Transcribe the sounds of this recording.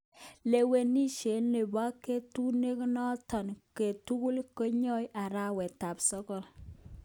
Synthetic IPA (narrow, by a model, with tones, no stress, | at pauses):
le˨we˨ni˦ʃe˨˦nːe˨ba˦ke˦tu˦ne˦knɔ˦tɔ˨nke˨tu˦ku˦lko˦ɲɔ˦jʔa˨ɾa˦wɛ˨ta˨psɔ˦kɔ˦˨l